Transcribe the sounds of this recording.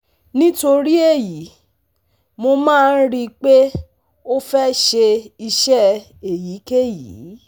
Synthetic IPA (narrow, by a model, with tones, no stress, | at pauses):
nĩ˦to˧ɾi˦e˦˨ji˨˦ | mo˧mãː˦˧n̩˦ɾi˧k͡pe˦ | o˦fɛ˦ʃe˧i˧ʃɛ˦ | e˨ji˨˦ke˦˨jḭ˨˦